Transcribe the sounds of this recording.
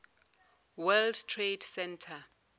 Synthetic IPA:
wɛldtʰredsɛntʰa

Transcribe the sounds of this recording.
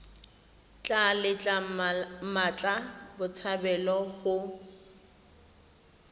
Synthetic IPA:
t͡ɬʼalɪt͡ɬʼa | mat͡ɬʼabʊt͡sʰabɛlɔɣʊ

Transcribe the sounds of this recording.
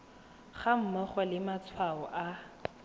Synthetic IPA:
χam̩mɔχɔlɪmat͡sʰwaɔʔa

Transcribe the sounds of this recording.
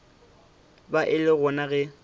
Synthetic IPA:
baʔɪlɪɣʊnaɣɛ

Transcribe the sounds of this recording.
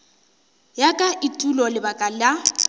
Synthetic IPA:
jakʼaʔɪtʼulɔlɪbakʼala

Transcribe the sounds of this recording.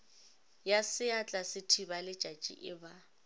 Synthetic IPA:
jasɪat͡ɬʼasɪtʰibalɪ̥t͡ʃʼat͡ʃʼḭʔɪba

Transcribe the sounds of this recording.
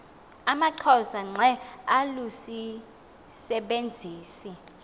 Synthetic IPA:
amaǀʰɔsaŋ͡ǀʱɛalusi | sɛɓend͡zʱiːsi

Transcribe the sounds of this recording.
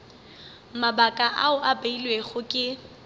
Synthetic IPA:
mabakʼaʔa̰ʊʔabeilweɣʊkʼɪ

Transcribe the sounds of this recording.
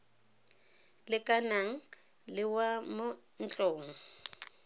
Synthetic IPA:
lɪkʼanaŋ̩ | lɪwamo | n̩t͡ɬʼoːŋ̩

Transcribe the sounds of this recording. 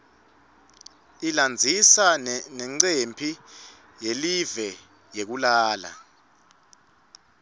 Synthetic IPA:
iland͡zʱisanɛnɛŋ͡ǀempʰi | jelivɛ | jek̬ulaːla̰

